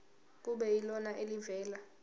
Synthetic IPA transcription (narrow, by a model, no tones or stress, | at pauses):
k̬uɓɛilɔnaʔelivɛːla